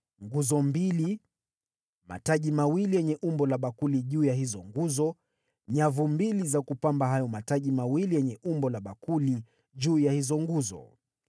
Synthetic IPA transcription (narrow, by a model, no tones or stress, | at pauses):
ŋɡuzɔmbili | ma̰taʄimawilijɛɲɛʔumbɔlaɓakuliʄuːjahizɔŋɡuzɔ | ɲavumbilizakupambaɦajɔmataʄimawilijɛɲɛʔumbɔlaɓakuli | ʄuːjahizɔŋɡuzɔ̰